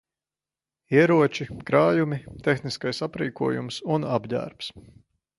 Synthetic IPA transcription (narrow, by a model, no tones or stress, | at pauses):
iɛɾuɔt͡ʃikɾaːjumit̪exniskajsapɾiːkuɔjṵmsunabʎæ̰ɾps